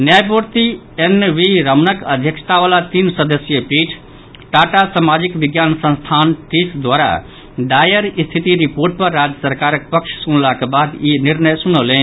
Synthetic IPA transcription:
njajpuɾt̪i | enʋiɾəmnəkəd̪ʱjəkst̪aʋaːlat̪iːnsəd̪əsjəpiʈʰ | ʈaʈasamad͡ʒikʋɪɡjansə̃nst̪ʰaːnʈisd̪ʋaɾa̰ | ɖajəɾist̪ʰit̪iɾipoɾʈ̚pəɾːad͡ʒjəsəɾkaːɾək̚pəkʃsunlakebad̪jiniɾnəjsunəlẽ

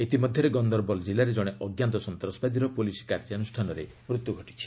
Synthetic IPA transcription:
et̪imɔd̪ʱjɔɾeɡɔnd̪ɔɾbɔld͡ʒilaɾed͡ʒɔɽ̃eʔɔɡjant̪ɔsɔnt̪ɾɔsbad̪iɾɔpulisi̥kaɾd͡ʒianusʈʰanɔɾḛ | mɾut̪ːjuɡʱɔʈi̥t͡ʃʰi̥

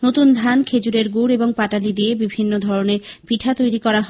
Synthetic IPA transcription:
not̪und̪ʱankʰed͡ʑuɾeɾɡuɾeboŋpaʈalid̪iebibʱinːod̪ʱɔɾoneɾpiʈʰat̪ojɾikɔɾaɦ

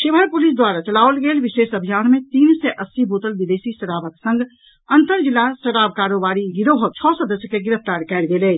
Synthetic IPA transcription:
ʃɪbʱəɾpulis̬d̪waːɾat͡ʃəlaːʋəlɡeːlʋiʃeːsəbʱijaːnmẽt̪iːnsɛʔəsːiboːt̪əlbid̪eːsisəɾaːbəksə̃ŋɡ | ənt̪əɾd͡ʒilːasəɾaːbkaːɾobaːɾiɡiɾoɦət͡ʃʰɔsəd̪əsjəkeɡɪɾəp̚ʰt̪aɾkɛːlɡeːlɛː

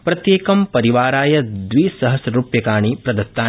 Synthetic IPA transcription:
pɾɐt̪jeːkɐmpɐɾiʋaːɾaːjɐd̪ʋiːsɐɦɐsɾuːpjɐkaːɳipɾɐd̪ɐt̪ːaː

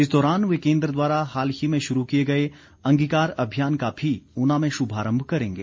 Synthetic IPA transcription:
ɪs̬d̪ɔːɾaːnʋekẽːnd̪ɾəd̪waːɾaɦaːlhimẽʃʊɾukijeɡɐe | ɐ̃ŋɡiːkaːɾɐbʱijaːnkabʱiʊnãmẽʃʊbʱaːɾə̃mbʱkɐɾẽːŋɡeː

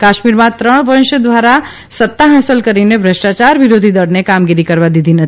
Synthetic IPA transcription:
kaːʃmiɾmãt̪ɾəɽ̃ʋənʃəd̪ʋaɾa | sət̪ːaɦɛːsəlkəɾinebʱɾəʃʈat͡ʃaɾʋɪɾod̪ʱid̪əɽnekamɡiɾikəɾʋad̪id̪ʱinət̪

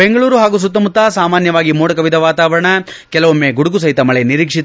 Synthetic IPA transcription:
beŋɡɐɭuːɾuɦaːɡus̬ut̪ːɐmut̪ːaːsaːmaːnjɐʋaːɡimuːɽɐkɐʋid̪ʱɐʋaːt̪aːʋɐɾɐɳɐ | kɛlɐʋomːeːɡuɽuɡus̬ɐɦit̪ɐmɐɭeniɾiːkʂit̪

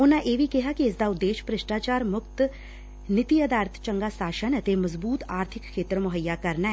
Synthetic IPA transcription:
ʊnãːʔeːʋiːkɪɦaːkiɪsd̪aːʊd̪ːeːʃpɾɪʃʈaːt͡ʃaːɾmʊkt̪ | nɪt̪iːəd̪aːɾət̪ʰt͡ʃəŋɡaːsaːʃənət̪eːməzbuːt̪aːɾt̪ʰɪkʰːeːt̪əɾmʊɦəjːaːkəɾnaɛ

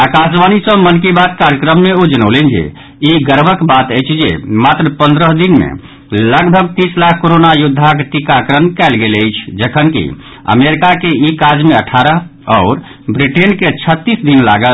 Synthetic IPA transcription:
akasʋanisə̃mənkibat̪kaɾjəkɾəmːeod͡ʒənəlɛnd͡ʒḛ | iɡəɾbʱəkbat̪əjt͡ʃʰd͡ʒḛmat̪ɾəpənd̪ɾəɦd̪inmḛ | ləɡbʱəɡ̚t̪islakʰːkoɾonajud̪ʱːakʈikakɾənkɛɪlɡeləjt͡ʃʰd͡ʒəkʰənkḭ | ə̰meɾikakeikad͡ʒmeəʈʰaɾəɦɔːɾ | bɾiʈenket͡ʃʰət̪ːisd̪inla̰ɡəl

